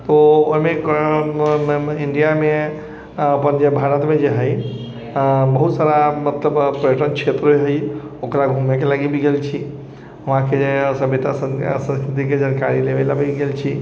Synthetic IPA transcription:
t̪oomẽ | ɪɳɖijamẽ | ɐpənd͡ʒebʱaːɾət̪mẽd͡ʒeɦəi | bɐɦut̪saːɾamɐt̪ləbpɾəjəʈənkʃeːt̪ɾɦojɦəioːkɾaɡʱumekʰelaɡibʱiɡelt͡ʃʰi | ɐʋ̤ãkʰeesɐbʱet̪asəsə̃nskɾɪt̪̬ikʰed͡ʒənkaɾileʋelabʱiɡelt͡ʃʰi

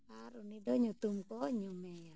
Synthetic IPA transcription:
aɾunidɔɲut̪umkɔɲumeja

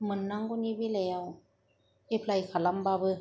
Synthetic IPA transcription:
mɯnːaŋkuniːbiːlɛːw | ʔepʰlajkʰalambaːbɯ

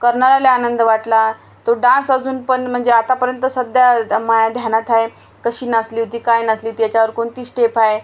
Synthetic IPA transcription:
kəɾɳalaleanənd̪əʋaʈla | t̪oɖãnsad͡zuːnpəɳm̤əɳd͡zeat̪apəɾjənt̪əsəd̪jamajad̪ʱjanat̪ʰae | kəɕiːnasliːot̪iːkajnasliːt̪jat͡ɕjaʋəɾkoɳt̪iːsʈepʰae

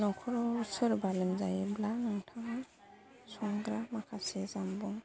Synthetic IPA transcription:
nɔkʰɔɾɔusɔɾbalimzajiblanaŋtʰaŋa | sɔŋɡɾamakʰasɛzambɔŋ

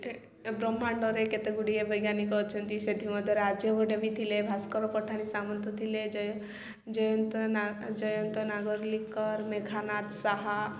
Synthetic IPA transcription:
bɾɔmːaɳɖɔɾeket̪eɡuɽiebəjɡanikɔt͡ʃʰɔnt̪ised̪ʱimɔd̪ʱəɾad͡ʒjəʋəɖebʱit̪ʰilebʱaskɔɾɔpɔʈʰanisamɔnt̪ɔt̪ʰiled͡ʒj | d͡ʒɔjɔnt̪nad͡ʒɔjɔnt̪ɔnaɡɔɾlikɔɾmeɡʰʱanat̪saɦa

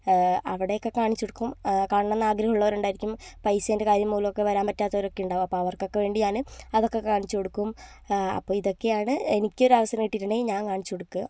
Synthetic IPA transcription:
ɐʋiɽe̞jokːe̞kaːɳit͡ɕːoɽukːumkaːɳɳɐnːaːɡɾɐɦɐuɭːɐʋɐɾuɳɖaːjiɾikʲːumpɐjsɐnde̞kaːɾjɐmːuːlɐmokːe̞ʋɐɾaːmpɐtːaːt̪ːɐoɐɾo̞kːejuɳɖaːʋumɐpːoːɐʋɐrkːo̞kːe̞ʋe̞ːɳɖiɲaːnɨɐðo̞kːe̞kaːɳit͡ɕːuoɽukːum | ɐ̰pːoːiðo̞kːe̞jaːɳɨenikʲːɨo̞ɾaːʋɐsɐɾɐŋiʈːiɾuɳeiɲaːnkaːɳit͡ɕːo̞ɽukːu

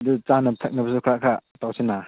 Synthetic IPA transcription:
dut͡ʃanɐtʰɐk̚nɐbɐsukʰɾakʰatawsenːa

